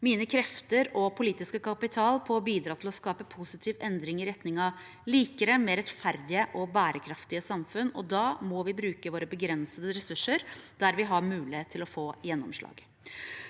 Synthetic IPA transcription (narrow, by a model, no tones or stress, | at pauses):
miːnəkʰɾɛft̪əɾɔpʰʊliːt̪ɪskəkʰɑpɪt̪ʰɑːlpʰɔːbiːd̪ɾɑːt̪ʰɪlɔskɑːpəpʰʊsɪt̪ʰiːʋɛnd̪ɾɪŋɪɾɛt̪nɪŋɑ | liːkəɾəmɛɾɛt̪fæɾd̪ɪəʔɔbæːɾəkʰɾɑft̪ɪəsɑmfʉnɔ̰d̪ɑːmɔʋɪbɾʉːkəʋoːɾəbəɡɾɛnsəd̪əɾɛsʉʂːəɾd̪̥æɾʋɪɦɑɾmʉːlɪeːt̪ʰːɪlɔfoːjɛnːɔmʂɭɑ̰ːɡ